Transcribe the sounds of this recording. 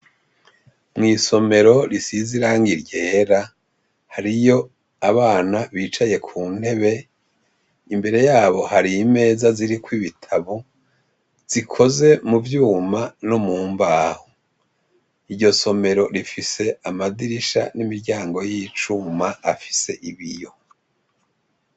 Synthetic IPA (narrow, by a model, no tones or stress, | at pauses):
mŋiːso̞me̞ɾo̞ɾisiziɾaːŋɡiɾje̞ːɾa | haɾijo̞ | aβaːnaβiːt͡ʃaje̞kʰuːn̥e̞βe̞ | imbe̞ɾe̞jaːβo̞haɾiːme̞ːzaziɾikwiβitʰaβu | z̥ikʰo̞ze̞muvjuːmanomuːmbaːho | iɾɟo̞so̞me̞ɾo̞ɾifise̞amadiɾiʃa̰nimiɾɟaːŋɡo̞jit͡ʃumaːfi̥se̞ʔiβijo̞